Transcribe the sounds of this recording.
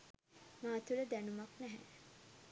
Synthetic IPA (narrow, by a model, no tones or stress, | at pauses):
maːt̪uləd̪ænumaknæɦɛ̰